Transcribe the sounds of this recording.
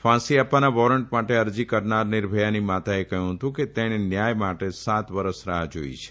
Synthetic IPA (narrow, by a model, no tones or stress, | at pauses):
fãsiapːanaʋɔɾəɳʈmaʈeəɾd͡ʒikəɾnaɾnɪɾbʱəjanimat̪aekəɦjũɦət̪ũket̪eɽ̃enjajmaʈesat̪ʋəɾəsɾaɦad͡ʒo̰ḭt͡ʃʰe̥